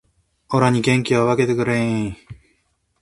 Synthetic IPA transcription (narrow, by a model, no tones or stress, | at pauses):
oɾaɲ̟ikẽ̞ŋkʲiβaβake̞t̪ekɯ̟ɾeĩ